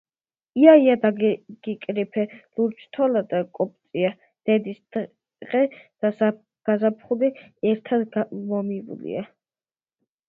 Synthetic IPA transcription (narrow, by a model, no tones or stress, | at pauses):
iaiad̪aɡɡ̥ikʼɾipʰɛluɾt͡ʃʰt̪ʰɔlad̪akʼɔpʼt̪sʼia | d̪̥ɛd̪isd̪ | ʁɛd̪̥asa | ɡ̥azapʰχuliɛɾt̪ʰad̪mɔmivṵlḭa